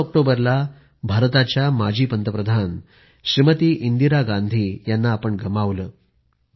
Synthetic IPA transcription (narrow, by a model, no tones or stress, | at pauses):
ɔk̚ʈobəɾla | bʱaɾt̪at͡ɕjamad͡ʑʱiːpənt̪əpɾəd̪ʱan | ɕɾimət̪iːʔind̪iɾaɡand̪ʱiːjanːaːpəɳɡʱəmaʋləː